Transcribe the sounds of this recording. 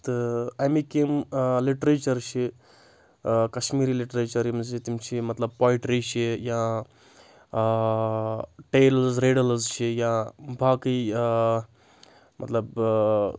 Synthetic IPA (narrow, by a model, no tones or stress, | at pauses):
t̪ɨɐjmikemliʈɾeːt͡ʃɐɾt͡ʃʰi | kɐʃmiːɾiːliʈɾeːt͡ʃɐɾjimzit̪imt͡ʃʰimɐt̪lɐb̚paːiʈɾit͡ʃʰija | ʈeːlzɾeːɖɐlzt͡ʃʰijabʱaːki | mʔɐ̰t̪lɐb